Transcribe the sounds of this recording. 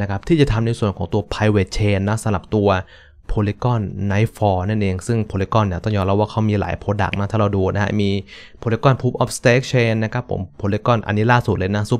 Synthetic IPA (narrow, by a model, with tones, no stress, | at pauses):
na˦˥kʰa˦˥p̚t̪ʰiː˥˩t͡ɕa˨˩t̪ʰa˧mna˧jsu˨˩ənkʰɔː˩˦ŋt̪u˧ɐpʰa˧jweː˨˩t͡ɕʰeː˧nːɔ˦˥sa˨˧˦la˨˩p̚t̪u˧ɐ | pʰoː˧li˦˥kɔ˥˩nːa˦˥jfɔː˧na˥˩nʔeː˧ŋsɯ˥˩ŋpʰoː˧li˦˥kɔ˥˩nːi˨˩t̪ɔ˥˩ŋjɔː˧nɾa˦˥waː˥˩kʰa˦˥wmiː˧la̰ː˩˦jpʰoː˧da̰˨˩k̚na˦˥t̪ʰaː˥˩ɾa˧wduː˧na˦˥ha̰˦˥miː˧pʰoː˧li˦˥kɔ˥˩npʰuː˦˥p̚ʔɔː˦˥p̚st̪eː˦˥k̚t͡ɕʰeː˧nːa˦˥kʰa˦˥pʰːo̰˩˦mpʰoː˧li˦˥kɔ˥˩nʔa̰˧nːiː˦˥laː˥˩su˨˩lɤː˧jna˦˥su˦˥˩